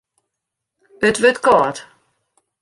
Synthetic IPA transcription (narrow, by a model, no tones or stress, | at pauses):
ɪtvɪtɡ̥ɔt